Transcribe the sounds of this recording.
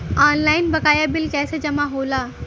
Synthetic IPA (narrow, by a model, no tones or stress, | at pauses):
anlainbəkaːjabilkɛːsed͡ʑəmaɦola